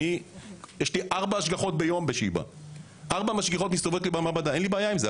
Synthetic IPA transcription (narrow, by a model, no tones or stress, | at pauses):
ijeʃliʔaʁbaːʃɡaχo̞t̪̚be̞jo̞mbeʃḭba̰ | ʔaʁbamaʃɡiχo̞t̪mist̪ovot̪libamabad̪ae̞nlibaːjaimze